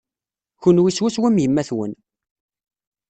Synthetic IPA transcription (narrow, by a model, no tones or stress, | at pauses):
çunwiswæswæmjəmːæθwə̰n